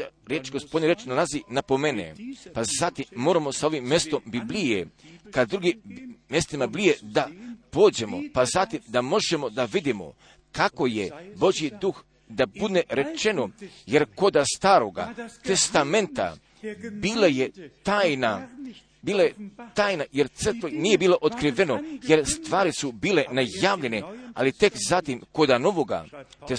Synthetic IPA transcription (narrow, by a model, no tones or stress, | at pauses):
ɾjet͡ʃɡospo̞d̪niɾet͡ʃnalˠazinapo̞menḛpazat̪imːo̞ːɾamo̞sao̞ʋimːjest̪o̞mbiblijekad̪d̪ɾuɡimːjest̪imablijed̪apoːd͡ʑe̞mo̞̰pazat̪imd̪amo̞ʒe̞mo̞d̪aʋid̪imo̞̰ | kako̞jebo̞ʒjid̪ux | d̪abud̪neɾe̞t͡ʃe̞noje̞ɾko̞d̪ast̪aːɾo̞ɡa̰t̪e̞st̪ame̞nt̪a̰ | biːlajet̪aːjna | biːlajet̪aːjnaje̞ɾt̪sər̩t̪ʋoniːje̞biːloʔot̪kɾiʋe̞no̞je̞ɾst̪ʋaːɾisubiːle̞najaːʋʎe̞nea̰lit̪e̞kzat̪imko̞d̪ano̞ʋo̞ɡa̰t̪e